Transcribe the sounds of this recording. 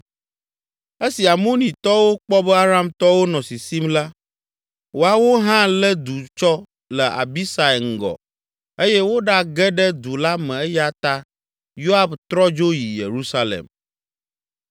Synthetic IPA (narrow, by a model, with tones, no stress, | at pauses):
e˦si˨a˨mõ˦nĩ˨t̪ɔ˦wo˦k͡pɔ˦bɛ˦a˦ɾa˦mt̪ɔ˦wo˦nɔ̃˨si˨si˦mla˦ | wo˨a˨wo˦ɦã˦lə˦d̪u˨t͡ʃɔ˦ | lə˨ʔa̰˨bi˦sa˨e˨ŋ̩˨ɡɔ̰˨ | e˦jɛ˦wo˦ɖa˦ɡɛ˦ɖɛ˦d̪u˨la˦mɛ̃˨ɛ˦ja˦t̪a˦ | jo˦a˦bt̪ɾɔ˦d͡ʒo˦ji˨jḛ˨ɾu˦sa˦lḛ˨m